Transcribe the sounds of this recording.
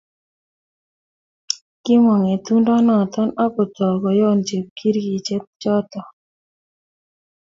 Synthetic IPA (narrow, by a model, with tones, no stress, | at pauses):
ki˦mɔ˨ŋe˨t̪u˦ndɔ˦nɔ˨t̪ɔ˦na˦ko˨t̪ɔ˨ɡɔ˨jɔ˦˨nd͡ʒe˨p̚kʰi˦ɾɡi˨t͡ʃɛ˦t̪̚t͡ʃɔ˦t̪ɔ˨